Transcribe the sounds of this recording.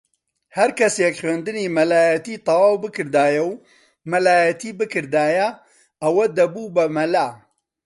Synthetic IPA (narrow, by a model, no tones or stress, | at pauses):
hɛɾkʰɐsjɛkχweːnd̪ɨniːmɐlaːjɛt̪iːt̪ˤɑwaːwbɨkɨɾd̪aːjɛw | mɐlaːjɐt̪ʰiːbɨkʰɨɾd̪aːjɐ | ɐwɐd̪ɐbuːbɐmɐlaː